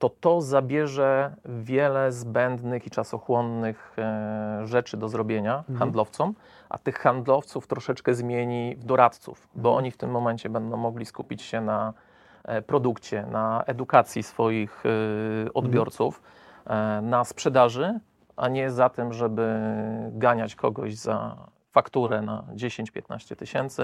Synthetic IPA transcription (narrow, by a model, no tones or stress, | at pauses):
t̪ɔt̪ɔzabʲjɛʐɛvʲjɛlɛzbɛnd̪nɘxit͡ʂasɔxwɔnːɘx | ʐɛt͡ʂɘd̪ɔzɾɔbʲjeɲaxand̪lɔft̪sɔm | ʔa̰t̪ɘxxand̪lɔft̪suft̪ɾɔʂɛt͡ʂkɛzmʲjeɲivd̪ɔɾat̪t̪sṵfbɔʔɔ̰ɲift̪ɘmːɔmɛɲt͡ɕɛbɛnd̪ɔ̃w̃mːɔɡlʲiskupʲit͡ɕɕɛna | pɾɔd̪ukt͡ɕɛnaɛd̪ukat̪sʲjisfɔjix | ɔd̪bʲjɔɾt̪suf | naspʂɛd̪aʐɘ | ʔaɲɛzat̪ɘmʐɛbɘɡaɲat͡ɕkʰɔɡɔʑza̰ | fakt̪uɾɛna̰d͡ʑeɕeɲt͡ɕpʲjɛt̪na̰ɕt͡ɕɛt̪ɘɕɛnt̪sɘ